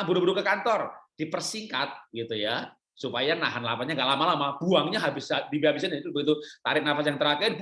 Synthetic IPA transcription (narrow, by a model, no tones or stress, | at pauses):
bəɾubəɾukəkant̪ɔrd̥ipərsiŋka̰t̪̚ɡit̪uja | supajana̰ɦanla̰paɲaŋɡaʔlamalamab̥uaŋɲaɦabɪsadibiɦabɪs̬anat̪ubəɡit̪̬ut̪a̰ɾɪk̚nafajaŋt̪əɾakɛ